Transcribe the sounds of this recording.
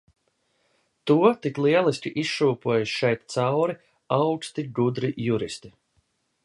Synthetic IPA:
t̪uɔt̪iklˠiɛlˠisʲkʲiʔisʃuːpuɔjuʃʃɛjt̪t̪sawɾi | awkst̪iɡud̪ɾijuɾist̪i

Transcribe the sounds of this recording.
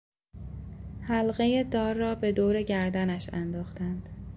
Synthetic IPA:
hælɣejed̪ɒːɾːɒːbe̞d̪oːɾe̞ɟæɾd̪ænæʃænd̪ɒːxt̪ænd̪̥

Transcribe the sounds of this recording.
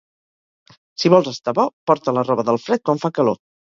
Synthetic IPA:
siβɔlˠzəst̪aβɔpɔɾt̪ələrɔβəðəlˠfɾɛt̪̚kwaɱfakəlo̰

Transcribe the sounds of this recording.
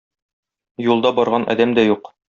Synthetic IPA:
julˠd̪ɑbɒɾʁɑnʔɒ̰d̪æmd̪æjuq

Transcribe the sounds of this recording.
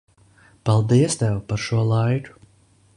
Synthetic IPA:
palˠd̪iɛst̪ɛwpaɾʃuɔlˠajku̥

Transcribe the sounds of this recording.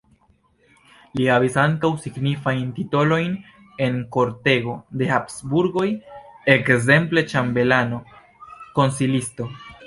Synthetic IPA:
lihavisaŋkawsiɡnifajntito̞lo̞jn | e̞nko̞ɾte̞ɡo̞de̞hapsbuɾɡo̞jekze̞mple̞t͡ʃambe̞lano̞ | ko̞nsilisto̞

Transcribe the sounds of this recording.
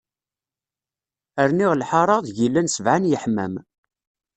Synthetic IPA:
əɾniʁlħɑɾˤɑðˤʝilːænsəvʕanjəħmæ̰m

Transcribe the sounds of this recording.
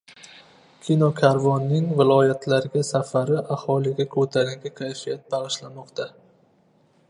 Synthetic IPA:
kʲʰinokʲʰaɾvɒnːɪŋvɪlˠɒjat̪ʰlaɾɪɡʲasafaɾɪʔahɒlˠɪɡʲakʰɵt̪ʰaɾʲaŋɡʲakʲʰajfijat̪̚baʁɨʃlamɒqt̪ʰa

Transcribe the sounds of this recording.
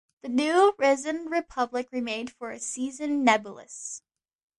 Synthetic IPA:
ðɨnʉɹɪzɨ̃nɹɨpʰʌblɨkɹimẽɪ̃nd̥fə˞ɨ̰sizɨ̃nːɛbjlˠə̰s

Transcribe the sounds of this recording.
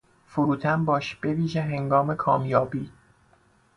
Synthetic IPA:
fuɾuːt̪ʰæmbɒːʃb̥e̞viːʒeɦeŋɡɒːme̞kʰɒːmjɒːbiː

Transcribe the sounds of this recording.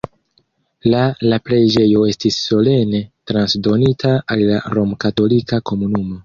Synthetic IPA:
lalapɾe̞d͡ʒe̞jo̞e̞stisːo̞le̞ne̞tɾansdo̞nitʰaalːa̰ɾo̞mkato̞likako̞munumo̞

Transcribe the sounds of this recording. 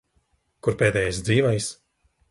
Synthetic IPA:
kuɾpeːd̪ɛːjajsd̪ziːvajs

